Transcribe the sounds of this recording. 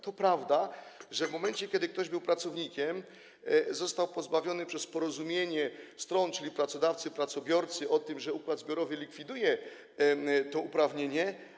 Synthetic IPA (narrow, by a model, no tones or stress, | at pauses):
t̪ɔpɾavd̪aʐɛvmɔmɛnt͡ɕɛkʲjɛd̪ɘk̚t̪ɔʑbɘwpɾat̪sɔvɲikʲɛm | zɔst̪awpɔzbavʲjɔnɘpʂɛspɔɾɔzumʲjeɲɛst̪ɾɔnt͡ʂɘlʲipɾat̪sɔd̪aft̪sɘpɾat̪sɔbʲjɔɾt̪sɘʔɔt̪ɘmʐɛukwad̪zbʲjɔɾɔvɘlʲikfʲid̪ujɛ | t̪ɔupɾavɲeɲɛ